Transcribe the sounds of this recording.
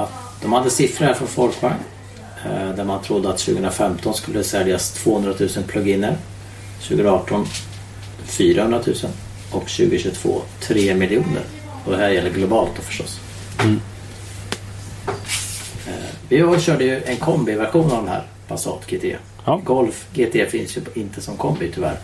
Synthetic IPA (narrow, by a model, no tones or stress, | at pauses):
at̪ | d̪̥ɔmhad̪ːəsɪfɾəɾfɔɾfɔlkvaŋ | d̪æɾmant̪ʰɾʊd̪ːəat̪ɕʉːɡəənɾafɛmt̪ʰɔnskɵlːəsɛljast̪ʰv̥oːhɵnd̪ɾat̪ʰʉ̟ːsənpʰlɵɡɪnːəɾ | ɕʉːɡənɾɑːʈɔn | fyːɾahɵnɾat̪ʰʉ̟ːsən | ʔɔkɕʉ̟ːɡəɕʉt̪ʰv̥o̰ːt̪ʰɾeːmɪlɪuːnə̰ɾ | ɔd̪ɛhæɾjɛlːəɾɡlʊbɑːlt̪ɔfœ̥ʂʈɔ̰s | vɪaɕœːɖəjɵʔɛnkʰɔmbɪvæɾɧuːnavd̪ɛmhæ̰ːɾ | pʰasɑ̰ːt̪ɡeːt̪ʰḛː | ɡɔlfɡeːt̪ʰeːfɪnsjɵɪnt̪ʰəsɔmkʰɔmbɪt̪ʰʏvæ̰ɾ